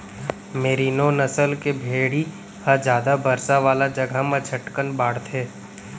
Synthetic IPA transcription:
meːɾinoːnɐsəlkebʱeːɽi | hɐɾd͡ʒjaːd̪abɐɾsaʋaːlad͡ʒɐɡʱamãt͡ʃʰɐʈkənbaːɽt̪ʰeː

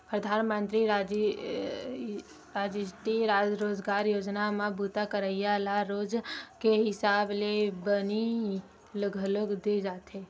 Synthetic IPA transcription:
pɾəd̪ʱaːnmənt̪ɾiad͡ʒ | ɾad͡ʒisʈiɾad͡ʒɾod͡ʒɡaːɾjoːd͡ʒnamãbut̪akəɾəjalaɾoːd͡ʒkeɦɪsaːblebəni | ləɡʱəloɡd̪ed͡ʒat̪e

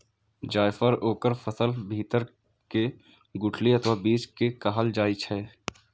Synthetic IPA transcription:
d͡ʒaːjfəɾoːkəɾfəsəlbʱiːt̪əɾ | ke | ɡʊʈʰliɐt̪ʰʋaːbiːt͡ʃkekaɦəld͡ʒaːit͡ʃʰɛː

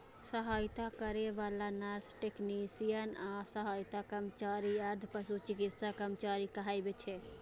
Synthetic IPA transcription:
səɦajt̪akəɾeʋalanaɾsʈeknisijənasəɦajt̪akɾəmət͡ʃaɾiaɾd̪ʱpəsut͡ʃikit̪sakɾəmət͡ʃaɾikəɦajbet͡ʃʰɛ

